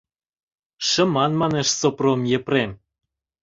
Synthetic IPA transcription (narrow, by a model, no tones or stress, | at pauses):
ʃə̆mɑnmɑneʃsopromjĕprem